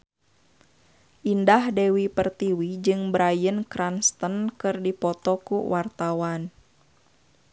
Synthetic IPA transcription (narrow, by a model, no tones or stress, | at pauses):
ʔindahdɛwipərt̪iwid͡ʒɨŋbɾajənkɾanst̪ənkɨrdipɔt̪ɔkuwart̪awan